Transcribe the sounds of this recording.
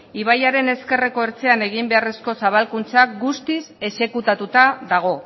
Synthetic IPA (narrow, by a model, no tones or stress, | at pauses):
iβajaɾe̞ne̞ske̞reko̞eɾt͡se̞ane̞ɣ̞imbe̞are̞sko̞saβ̞alkunt͡sak̚ɡust̪ise̞se̞kut̪at̪ut̪aðaɣ̞o̞